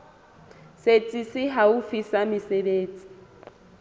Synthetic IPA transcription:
set͡sʼisɪɦaufisamɪsebeːt͡sʼi̥

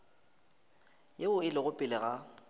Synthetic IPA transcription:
jeʊɪlɪɣʊpʼɪlɪɣa

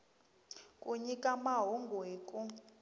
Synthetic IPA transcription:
kʼuɲikʼamaɦɔŋɡʱweːkʼu

